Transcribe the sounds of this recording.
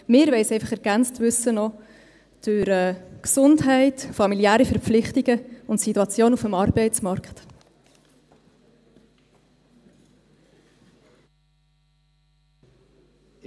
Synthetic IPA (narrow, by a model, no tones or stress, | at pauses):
mɪːɾʋɛɪsɛɪfɑχɛɾɡ̥ænt͡stʋʏsːənɔ | d̥ʉɾɛːksʊndɦɛɪtfɑmiliæːɾifɛɾpflɪχtiɡ̥əʊntsituɑt͡sjoːnufəmɑːrbɛɪt͡smɑɾkχt